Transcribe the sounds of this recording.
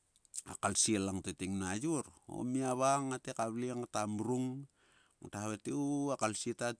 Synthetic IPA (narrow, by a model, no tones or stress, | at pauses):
a̰kalsielaŋtetiŋnad͡ʒuɾo̰miaβaŋatekaβliŋatamuɾuŋ | ataβatiuakalsieta